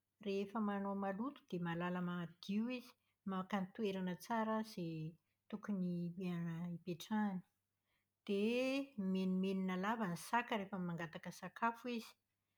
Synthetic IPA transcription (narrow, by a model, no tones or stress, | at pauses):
refəmanomalut̪u̥d̪̥emalaləmad̪̥iwizi̥ | makanit̪ueɾanət͡saɾəze | t̪ukunieanəipeʈ͡ʂani̥ | d̪̥emenimeninəlavanisakəɾefəmaŋɡat̪akəsakʰafuizi̥